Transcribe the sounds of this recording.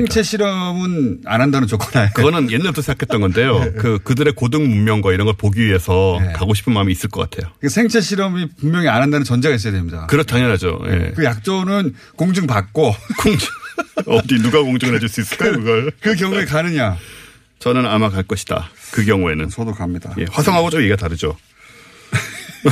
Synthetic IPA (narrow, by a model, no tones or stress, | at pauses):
sʰeŋt͡ɕʰe̞ɕʰiɾʌmɯnanɦandanɯnt͡ɕok͈ʌnajokɯɡʌnɯnje̞nːaɭtosʰeakʰe̞t͈̚ʌnɡʌnde̞jokɯkɯdɯɾe̞kodɯŋmummjʌŋɡwaiɾʌnɡʌɭpoɡiɥie̞sʰʌjkaɡoɕʰipʰɯnmamiːs͈ɯɭk͈ʌk͈a̰tʰe̞jokasʰeŋt͡ɕʰe̞ɕʰiɾʌmipuŋmjʌŋianɦandanɯnt͡ɕʌnd͡ʑe̞ɡais͈ʌjadwemɲida̰kɯɾʌtʰaŋʌɾɦad͡ʑo̰jḛkɯjak̚t͡ɕ͈ʌnɯn | koŋd͡ʑɯŋpak̚k͈okoŋd͡ʑʌdinuɡakoŋd͡ʑɯŋɯɾad͡ʑuɭs͈uis͈ɯkakɯɡʌɭkɯk̬jʌŋue̞kanɯɲa | t͡ɕʌnɯnamakaɭk͈ʌɕʰi̥d̥a̰kɯkjʌŋue̞nɯnt͡ɕʌdokamɲida̰je̞̰ɸwasʰʌŋɦaɡot͡ɕ͈omjeɡataɾɯd͡ʑo